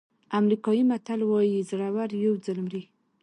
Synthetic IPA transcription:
amɾikɑjimat̪alwɑjizɽawaɾjawd͡zəlmɾi

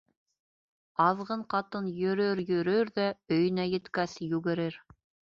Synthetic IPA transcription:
ɑðʁɤɴqɑt̪ɤnjɵ̆ɾɵɾjɵ̆ɾɵɾðæɵ̆jɘ̆næjɘ̆t̪kæsjʉɡɘ̆ɾɘɾ

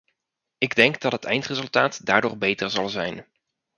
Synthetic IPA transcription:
ɪɡdɛŋɡdɑtɦətɛ̰jntrezɵlˠtaːtdaːɹdʊːɹbejtəɹzɑlˠzɛjn

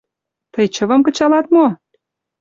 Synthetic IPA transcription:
t̪əjt͡ɕə̆və̆mkə̆t͡ɕɑlɑt̪mo

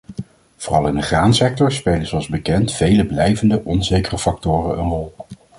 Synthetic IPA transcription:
v̥oːrɑlˠɪndəχraːnsɛk̚tɔɹspejlənzoɑlˠzbəkɛntfejləblɛjvəndəʔɔnzejkərəfɑk̚tʊːrənə̰nrɔlˠ

